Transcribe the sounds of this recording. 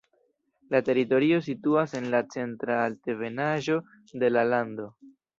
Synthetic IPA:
late̞ɾito̞ɾio̞s̬ituase̞nlat͡se̞ntɾalteve̞naʒo̞ | de̞lalando̞

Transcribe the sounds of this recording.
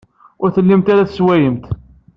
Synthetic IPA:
ʊɾθəlːimt̪aɾaθswæjəmt̪

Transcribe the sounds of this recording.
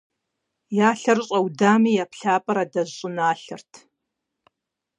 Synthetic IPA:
jaːɬɐrɕʼɐwdaːmiːjaːpʰɬaːpʼɐɾaːdɐʑɕʼɪnaːɬɨ̰rtʰ

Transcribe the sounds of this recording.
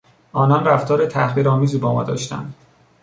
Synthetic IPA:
ʔɒːnɒnræft̪ʰɒːɾet̪ʰæhχviːɾɒːmiːziːbɒːmɒ̰ːd̪ɒ̰ːʃt̪æ̰nd̪̥

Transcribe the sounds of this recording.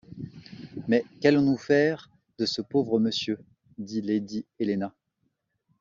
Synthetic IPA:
mɛkalɔ̃nufɛʁ | d̪əsəpovʁəməsjø | d̪iled̪ielena

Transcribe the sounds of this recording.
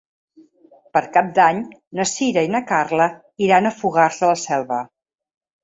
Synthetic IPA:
pəɾkap̚d̪aɲnəsiɾəinəkarlə | iɾanəfuɣaɾzəːlˠsɛlˠβə

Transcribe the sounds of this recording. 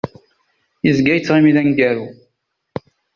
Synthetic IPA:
jəzɡæjət͡sːʁimiðænɡæɾu

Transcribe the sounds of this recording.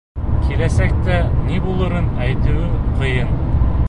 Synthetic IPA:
kʰilæsæk̚t̪ænibulˠɤ̆ɾɤnæjt̪ɘ̆wɘqʰɤ̆jɤn

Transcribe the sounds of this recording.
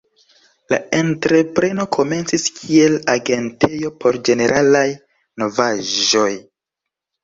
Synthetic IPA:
la̰e̞ntɾe̞pɾe̞no̞kʰo̞me̞nt͡siskʰie̞laɡe̞nte̞jo̞po̞ɾd͡ʒe̞ne̞ɾʔalaj | no̞vaʒo̞j

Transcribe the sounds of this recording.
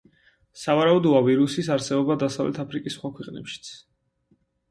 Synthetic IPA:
savaɾaud̪ɔaviɾusisaɾsɛbɔbad̪asavlʔɛ̰t̪ʰapʰɾikʼisːχwakʰwɛqʼnɛ̰pʃi̥t̪sʰ

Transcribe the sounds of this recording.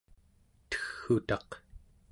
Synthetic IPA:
t̪ə̥xːut̪ɑq

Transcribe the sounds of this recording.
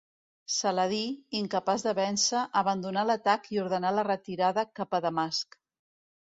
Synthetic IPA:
sələðiiŋkəpazðəβɛnsəʔəβənd̪unalət̪akiuɾð̞ənalərət̪iɾaðəkapəðəmask

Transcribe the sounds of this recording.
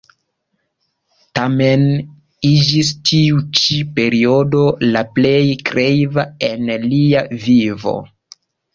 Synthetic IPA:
tame̞n | id͡ʒis̬tʰiut͡ʃipe̞ɾio̞do̞laple̞jkɾejvaenliavivo̞̰

